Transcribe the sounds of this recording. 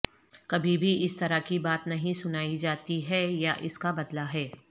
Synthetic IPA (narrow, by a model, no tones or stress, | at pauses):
kɐbʱibʱiɪst̪ɐɾakibaːt̪nɐɦĩsʊnaːid͡ʒaːt̪iɦɛjaʔɪskabɐd̪laɦɛː